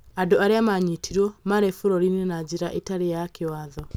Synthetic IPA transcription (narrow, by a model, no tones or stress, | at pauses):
adoaɾeamaɲitʰiɾwɔmaɾefoɾɔɾinɛnad͡ʑiɾaʔetaɾejakewaðɔ